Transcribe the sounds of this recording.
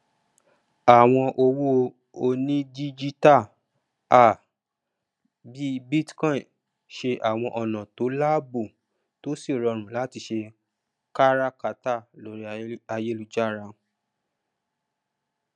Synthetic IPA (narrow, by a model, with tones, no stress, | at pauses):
a˨w̃ɔ̃˧ʔo˧wo˦ | o˧nĩ˦di˦d͡ʒi˦ta˦˨ | a˨ | bi˦bi˦tkɔ̃˦ĩ˨ | ʃe˧ʔa˨w̃ɔ̃˧ʔɔ˨nã˨to˨˦la˦bu˦˨ | to˦si˦˨ɾɔ˧ɾ̃ũ˨la˨˦ti˧ʃe˧ | ka˦ɾa˦ka˨˦ta˦˨lo˨˦ɾi˦a˧je˦lu˧d͡ʒa˦˨ɾa˧